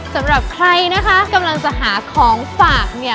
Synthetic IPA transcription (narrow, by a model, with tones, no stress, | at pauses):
sa˩˦mɾa˨˩p̚kʰɾa˧jna˦˥kʰa˦˥ka˧mla˧ŋt͡ɕa˨˩ʔɦaː˩˦kʰɔː˩˦ŋfaː˨˩k̚ni˥˩